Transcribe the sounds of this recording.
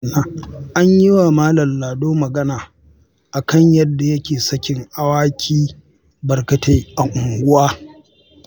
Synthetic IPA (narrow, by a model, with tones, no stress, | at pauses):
na˦ʔa˦ɲji˦waː˨maː˦lɐ˨mlaː˨doː˦mɐ˨ɡɐ˦naː˨ | ʔa˨kɐ˦ɲjɐ˦dːa˨jɐ˦kʲeː˨sɐ˦kʲɪ˨ŋʔa˦waː˦kʲʰiː˦ | bɐ˨rkɐ˨te˦ʔa˨ŋʔʷʊ˨ŋɡʷʊ˦waː˦